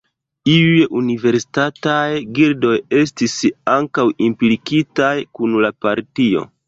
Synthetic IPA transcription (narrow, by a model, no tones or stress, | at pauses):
iujeʔunive̞ɾsi̥tatajɡiɾdo̞je̞s̬tisaŋkawimplipkitajkunlapaɾtio̞̰